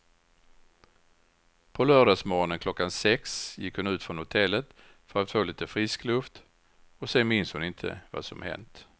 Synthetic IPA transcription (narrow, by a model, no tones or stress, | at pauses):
pʰɔlœːɖɑːsmoːɾɔnənkʰlɔkːansɛksjɪkhʊnʉ̟ːt̪fɾɔnhʊt̪ʰɛlːət̪ | fœɾat̪foːliːt̪əfɾɪsklɵft̪ | ɔseːnmɪnshʊnɪnt̪ʰə̰va̰sɔ̰mhɛ̰nt̪